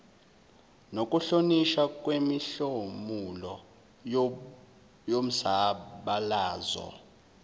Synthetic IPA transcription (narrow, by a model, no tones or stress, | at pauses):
nok̬ʼuɬoniʃakʼwemiɬomulɔ | jom̩saɓalaːzɔ̰